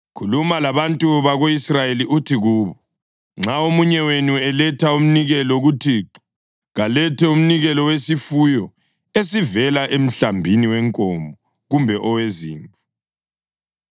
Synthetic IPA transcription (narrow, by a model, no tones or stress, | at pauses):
kʰulumalaβantʼuβaɣoisrajeliʔutʰiɣuːβɔ | ŋ͡ǁʱaomuɲɛwenuɛlɛtʰaum̩niɣɛlɔɣutʰiːǁɔ̥ | ɣalɛtʰɛum̩niɣɛlɔwesifujɔ | esivɛlaʔem̩ɬambʱiniwɛŋkʼɔmbʱɔ | ɣumbʱɛʔɔweziːɱu